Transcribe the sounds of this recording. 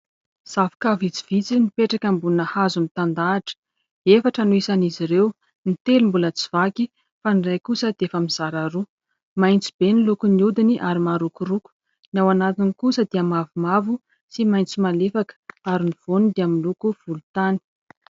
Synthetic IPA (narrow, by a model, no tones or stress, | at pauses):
z̥avi̥kavit͡si̥vit͡sinipeʈ͡ʂakʲambunəhazumit̪and̪aːʈ͡ʂə̥ | efaʈ͡ʂanuisaniziɾew | nit̪elumbulət͡si̥v̥aki | fanirajkusəd̪̥eefəmiz̥aɾaɾu | majnt͡si̥b̥enilukuniud̪iniʔaɾimaɾukuɾuku̥ | nawanat̪inikusəd̪eamavumavu | simajnt͡simalefakə̥aɾiniv̥onud̪eamilukuv̥ulut̪ani̥